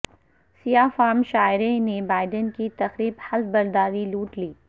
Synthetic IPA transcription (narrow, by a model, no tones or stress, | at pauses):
sijaːfaːmʃaːɪɾenebaːɪɖənkit̪ɐxɾiːbhɐlbɐɾd̪aːɾiluːʈliː